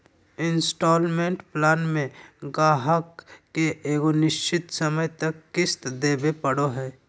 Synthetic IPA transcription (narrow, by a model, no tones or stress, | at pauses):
ɪ̃nsʈɔːlmẽːɳʈplaːnmẽɡaːɦəkːeeːɡonɪʃt͡ʃɪt̪səməjt̪ɐkːɪst̪d̪eːbepəɽoɦɛː